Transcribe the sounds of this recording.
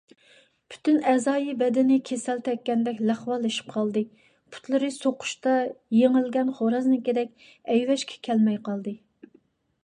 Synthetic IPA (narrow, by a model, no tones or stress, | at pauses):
pʰy̥t̪ʰynɛzɑːjibɛd̪ɪnɪkʲʰesɛlt̪ʰɛkʲːɛnd̪ɛkʲlæχwɑlˠeʃi̥p̚qʰɑlˠd̪ɨ | pʰu̥t̪lˠɨɾɨsoqʰʊ̥ʃt̪ɑjeŋɪlɡʲɛnχoɾɑznɨkʲed̪ɛk̚ʲ | ɛjwɛʃkʲʰɛ̥kʲʰɛlmɛjqɑlˠd̪ɨ